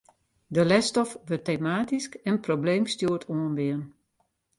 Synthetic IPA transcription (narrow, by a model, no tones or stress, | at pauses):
dəlɛstɔfʋørteːmaːtiskɛnprobleːmstjuətʰoənʋɪən